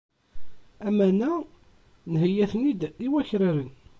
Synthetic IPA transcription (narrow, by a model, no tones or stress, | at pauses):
æmænæ | nɦəjːæθənid̪iwæçɾaɾən